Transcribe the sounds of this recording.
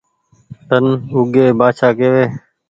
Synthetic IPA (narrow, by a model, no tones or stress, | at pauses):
t̪ənʊɡeːbaːt͡ʃʰaːkeːʋeː